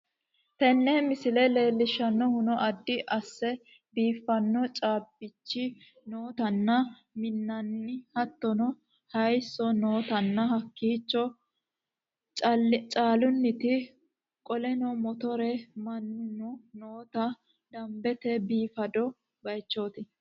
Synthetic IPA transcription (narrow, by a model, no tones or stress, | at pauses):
t̪ɛnːɛmɪsɪlɛle̞ːlːɪʃːɐnːɔhʊnɔʔɐd̪ːɪʔɐsːɛ | biːfːɐnːɔt͡ʃʼaːbɪt͡ʃːɪ | noːt̪ɐnːɐ | mɪnːɐnːɪhɐt̪ːɔnɔ | hɐjsːɔno̞ːt̪ɐnːɐhɐkːiːt͡ʃːɔ | t͡ʃʼɐt͡ʃʼaːlʊnːɪt̪ɪ | kʼɔlɛnɔmɔt̪ɔɾɛmɐnːʊnɔnoːt̪ɐ | d̪ɐmbɛt̪ɛbiːfɐd̪ɔ | bɐjt͡ʃːoːt̪ɪ